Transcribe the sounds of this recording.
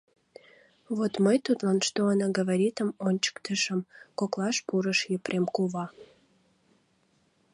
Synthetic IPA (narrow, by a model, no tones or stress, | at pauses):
βot̪məjt̪ut̪lɑnʃt̪oanɑɡəβaɾʲit̪əmonʲt͡ɕə̥kt̪əʃəmkoklɑʃpuɾəʃjəprʔemkuβɑ